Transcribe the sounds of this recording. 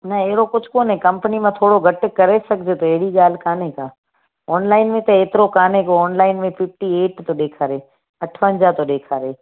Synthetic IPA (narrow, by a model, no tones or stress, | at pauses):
nɐeɦɽokʊd͡ʑʱkoːnɦẽkɐ̃mpənimãt̪ʰoːɽoɡʱɐʈkɐɾesɐɡʱd͡ʑet̪oeɦɪɽiɠaːl̤kaːnekaː | ɔːnlaːɪnmẽt̪ɐeːt̪ɪɾokaːnekoːnlaːɪnmẽpʰɪf̚ʈieːʈt̪oɗeːkʰaːɾeː | ɐʈʰʋə̃ɲd͡ʑaːt̪oɗeːkʰaːɾeː